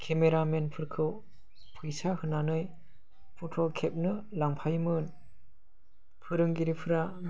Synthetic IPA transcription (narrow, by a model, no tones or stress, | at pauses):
kʰemeɾamenpʰɯɾkʰɯw | pʰɯjsahɯnanɯj | pʰutʰɔkʰep̚nɯlaŋpʰajmɯn | pʰɯɾɯŋɡiɾipʰɯɾa